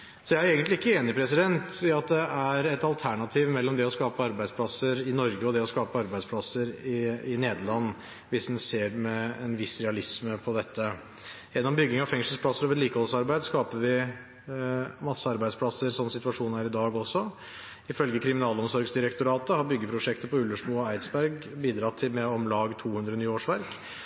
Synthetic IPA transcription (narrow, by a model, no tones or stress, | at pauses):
sɔjæɪæɾeːɡənt̪lɪɪkːəeːnɪpʰɾɛsɪd̪ɛnt̪ɑt̪̚d̪ɛʔæɾɛt̪ɑlt̪ʰæɳɑt̪ʰiːʋmɛlːɔmd̪ɛɔskɑːpəɑɾbæɪspʰlɑsəɾɪnɔɾɡəɔd̪ɛɔskɑːpəɑɾbæɪspʰlɑsəɾɪɪneːd̪əɭɑnː | ʋɪsd̪ɛnseːɖmɛɛnʋɪsɾɛɑlɪsməpʰɔd̪ɛt̪ːə | ʔɛnːɔmbʏɡːɪŋɑfɛŋsʂl̩splɑsːəɾɔʋɾɛɾliːkəhɔlsɑɾbæɪd̪skɑːpəʋɪ | mɑsːəɑɾbæɪd̪spʰlɑsːəɾsɔnːəsɪt̪ʉʋɑʂuːnæːɾɪd̪ɑːɡɔsːɔ | ɪfœlɡəkʰɾɪmɪnɑːlɔmsɔɾɡsd̪ɪɾɛk̚t̪ʊɾɑːt̪əhɑɾbʏɡːəpʰɾʊʂɛkt̪əpʰɔʉlːəʂmuːɔæɪt̪sbæɾɡbiːd̪ɾɑt̪ʰɪlmɛɔmlɑːɡt̪ʰuːhʉnd̪ɾənyːoːʂʋæɾk